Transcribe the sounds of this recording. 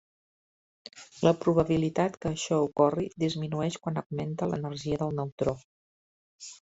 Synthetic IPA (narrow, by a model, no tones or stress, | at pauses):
ləpɾuβəβ̞ilit̪at̪kəːʃɔukɔrid̪izminuɛʃkwanəɡment̪ələ̰nərʒiəðəlˠnəwt̪ɾo